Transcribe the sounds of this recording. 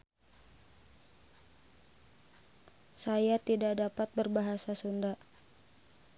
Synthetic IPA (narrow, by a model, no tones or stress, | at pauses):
sajat̪idaʔdapat̪̚bərbaɦasasunda